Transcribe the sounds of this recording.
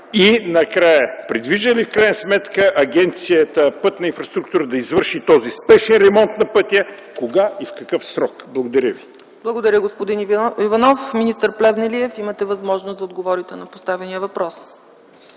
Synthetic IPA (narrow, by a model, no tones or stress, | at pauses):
inɐkɾajəpɾid̪viʒəlifkɾajnəsmɛt̪kəʔɐɡɛnt̪sijət̪əpɤt̪nɐinfɾɐst̪ɾuk̚t̪uɾəd̪ɐizvəɾʃit̪ɔzispɛʃɛnɾɛmɔnt̪nɐpɤt̪ʲjə | koɡaifkɐkəfsɾɔkblˠɐɡod̪ɐɾʲəvi | b̥lˠɐɡod̪ɐɾʲəɡospod̪inivɐnɔfminist̪əɾplɛvnɛliɛfimət̪ɛvɐzmɔʒnost̪zɐod̪ɡovɔɾit̪ɛnɐpost̪avɛnijəvɐpɾɔs